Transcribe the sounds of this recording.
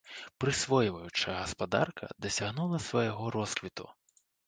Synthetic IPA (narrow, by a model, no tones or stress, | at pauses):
pɾɨsvɔjivɐjut͡ʂɐɣɐspad̪a̰rkʰɐ̰d̪ɐsʲaɣnulˠɐsvɐjɐɣɔɾɔskvʲit̪ṵ